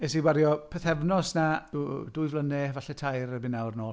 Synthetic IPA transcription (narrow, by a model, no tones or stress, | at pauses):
ɛsiwaɾjɔpʰəθɛvnɔsnḁdʊɨvlənɛvaɬɛtʰajɾəbɪnawrnoː